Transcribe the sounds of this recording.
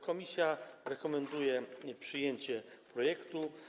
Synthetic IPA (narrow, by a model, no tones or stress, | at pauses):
kɔmʲisʲjaɾɛkɔmɛnd̪ujɛpʂɘjeɲt͡ɕɛ | pɾɔjɛkt̪u